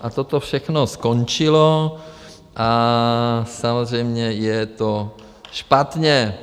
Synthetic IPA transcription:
ʔat̪ot̪ofʃɛxnoskont͡ʃɪlo | ʔa | samozr̝ɛjmɲɛjɛt̪o | ʃpat̪ɲɛ

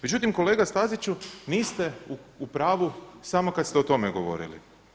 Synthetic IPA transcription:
med͡ʑut̪imko̞leɡast̪azit͡ɕuniːst̪euupɾaːʋusamo̞kad̪st̪eot̪o̞meɡo̞ʋo̰ɾḭlḭ

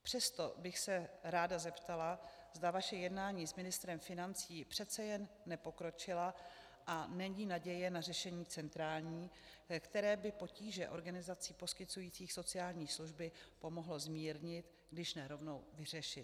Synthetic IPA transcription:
pr̝̥ɛst̪o̞bɪxsɛɾaːdazɛpt̪alazd̪avaʃɛjɛdnaːɲiːzmɪnɪst̪ɾɛmfɪnant͡siːpr̝̥ɛt̪t͡sɛjɛnːɛpo̞kɾo̞t͡ʃɪla | ʔanɛɲiːnaɟɛjɛnarɛʃɛɲiːt͡sɛnt̪ɾaːlɲiː | kt̪ɛɾɛːbɪpo̞ciːʒɛʔo̞ɾɡanɪzat͡siːpo̞skɪt͡sujiːt͡siːxso̞t͡sɪaːlɲiːsluʒbɪpo̞mo̞ɦlo̞zmiːɾɲɪt̪ | ɡdɪʃnɛɾo̞vno̞wvɪr̝ɛʃɪt̪

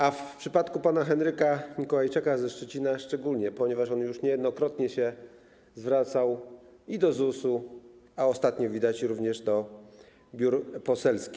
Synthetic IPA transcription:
afpʂɘpat̪kupanaxɛnɾɘkaɲikɔwajt͡ʂɘkazɛʂt͡ʂɛt͡ɕinaʂt͡ʂɛɡulɲɛpɔɲɛvaʂɔnjuʂɲɛjɛd̪nɔkɾɔt̪ɲɛɕɛ | zvɾat̪saw | id̪ɔzusuaɔst̪at̪ɲɔvʲid̪at͡ɕɾuvɲɛʐd̪ɔ | bʲjuɾpɔsɛlskʲi

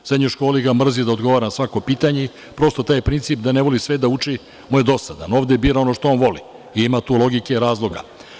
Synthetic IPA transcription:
sɾed̪ɲuʃko̞ːliɡamr̩zid̪ao̞d̪ɡo̞ʋaɾanasʋako̞piːt̪aɲei | pɾo̞st̪ot̪aːjpɾint̪sip̚d̪aneʋo̞lisʋed̪aut͡ʂi | mujed̪o̞sad̪a̰no̞ːʋd̪ebiːɾaonoʃt̪oonʋo̞lḭ | iimat̪uːlo̞ɡikeɾaːzlˠo̞ɡa̰

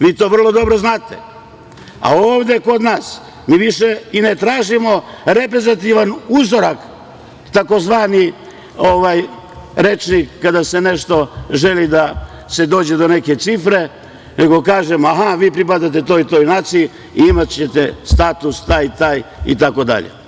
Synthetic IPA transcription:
ʋiːt̪o̞ːʋr̩lˠo̞d̪o̞bɾo̞znaːt̪ḛ | a̰oːʋd̪e̞ko̞d̪naːs | miːʋiʃeinet̪ɾaːʒimo̞ɾepɾezat̪iʋanuzoɾak | t̪ako̞zʋaːni | oʋaj | ɾet͡ʃnikːad̪asene̞ʃt̪o̞ʒe̞lid̪a | se̞d̪o̞ːd͡ʑe̞d̪o̞ne̞ke̞t̪sifɾe̞ | neɡo̞kaːʒemoaɦaʋiːpɾip̬ad̪at̪̬e̞t̪o̞ːit̪oːjnaːt̪siji | iimat̪t͡ɕet̪ḛst̪aːt̪ust̪aːjt̪aːjḭt̪ako̞d̪a̰ʎḛ

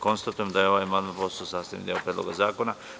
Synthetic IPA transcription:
ko̞nst̪at̪ujemd̪ajeo̞ʋajmad̪apososaːsaḛnd̪eopɾed̪lo̰ɡazaːkona

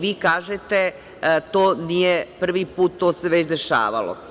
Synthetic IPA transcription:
ʋiːkaːʒet̪e | t̪oːnijepr̩ʋipuːt̪ːoseʋet͡ɕd̪eʃa̰ːʋa̰lo̰

